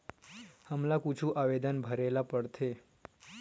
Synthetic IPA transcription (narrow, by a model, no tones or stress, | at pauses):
həmlakut͡ʃʰũʔaʋed̪ənbʱəɾelapəɽt̪ʰe